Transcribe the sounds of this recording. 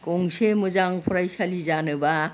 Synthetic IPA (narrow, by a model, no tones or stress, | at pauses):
kɔŋsemɯzaŋpʰɔɾajsalizanɯba